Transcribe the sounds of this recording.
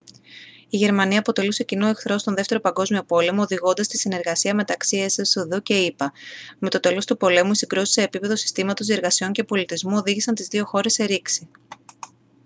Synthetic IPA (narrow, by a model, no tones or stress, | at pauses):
iʝe̞ɾmɐniɐːpo̞t̪e̞luse̞cino̞e̞xθɾo̞st̪oðe̞ft̪eɾo̞pɐŋɡo̞zmio̞po̞le̞mo̞ːðiɣo̞nd̪ɐst̪isine̞ɾɣɐsiɐme̞t̪ɐksie̞sesuðuce̞ipɐme̞t̪o̞t̪e̞lo̞st̪upo̞le̞muisiŋɡɾusi̥se̞ːpipe̞ðo̞si̥st̪imɐt̪o̞sie̞ɾɣɐsio̞ɲce̞po̞lit̪izmuo̞ðiʝisɐnt̪izðio̞xo̞ɾe̞sːe̞ɾiksi